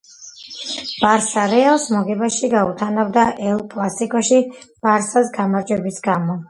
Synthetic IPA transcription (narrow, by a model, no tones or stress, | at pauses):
b̥aɾsaɾɛalˠsmɔɡɛbaʃiɡaut̪ʰanavd̪aʔɛlˠkʼlˠasikʼɔʃi | b̥aɾsasɡamaɾd͡ʒwɛbisɡamɔ